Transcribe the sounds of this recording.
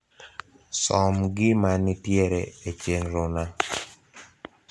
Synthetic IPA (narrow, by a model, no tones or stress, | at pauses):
sɔmɡɪmanɪtjeɾɛet͡ʃenɾona